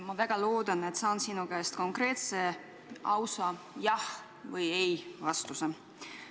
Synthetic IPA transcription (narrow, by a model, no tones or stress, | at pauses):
mɑvæɡ̥ɑlo̞ːd̪̥ɑne̞t̪sɑːnsinukæest̪̚ko̞ŋkre̞ːt̪se̞ | ɑwsɑ | jɑh | vɤjejvɑst̪use